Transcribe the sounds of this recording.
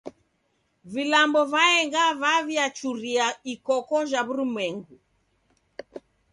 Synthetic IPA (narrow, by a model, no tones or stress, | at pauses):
vilambɔvaɛŋɡavaviat͡ʃuɾiaikɔkɔʒaβuɾimwɛŋɡu